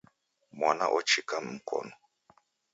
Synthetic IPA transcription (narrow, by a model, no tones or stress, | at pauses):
mwanaʔɔt͡ʃikam̩kʰɔ̰nɔ